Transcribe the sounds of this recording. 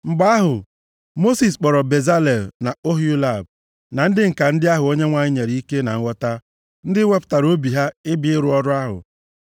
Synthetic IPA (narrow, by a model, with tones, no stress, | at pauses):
ŋ͡m̩˨ɡ͡ba˦a˦ɦʊ˨ | mo˦si˨s̬k͡pɔ˨ɾɔ˨be˨za˦le˨lna˨o˦ɦju˦la˦˨b̚ | na˨n̩˦dɪ˦ŋ̩˨ka˨n̩˦dɪ˦a˦ɦʊ˨o˦ɲe˦ŋʷa˨ɲɪ˦ɲe˨ɾi˨˦i˦ke˦na̰˨ŋ̩˦ŋʷɔ˦ta˦ | n̩˦dɪ˦wʷe˦pʊ̥˦ta˨ɾo˦bi˨ɦa˦ɪ˦bi˦ɪ˦ɾʊ˦ɔ˦ɾʊ˦a˦ɦʊ̰˨